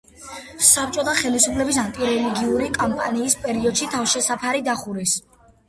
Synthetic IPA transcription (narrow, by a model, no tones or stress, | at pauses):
sap̚ʼt͡ʃʼɔt̪ʰaχɛlisupʰlɛbis̬ant̪ʼiɾɛliɡiuɾikʼampʼa̰niːspʼɛɾiɔd̪̥ʃit̪ʰafʃɛsapʰaɾid̪aχuɾis